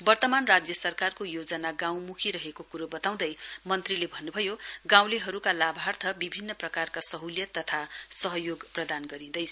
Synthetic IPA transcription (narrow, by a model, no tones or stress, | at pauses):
bʌrt̪ʌmanrad͡zjʌsʌrkarkojod͡zʌnaɡãw̃mukʰiɾʌɦekokuɾobʌt̪aw̃d̪ʌjmʌnt̪rilebʱʌnːubʱʌjoɡãw̃leɦʌɾukalabʱart̪ʰʌbibʱinːʌprʌkarkasʌɦuljʌt̪ʌt̪ʰasʌɦʌjoɡprʌd̪anɡʌɾĩd̪ʌjt͡sʰ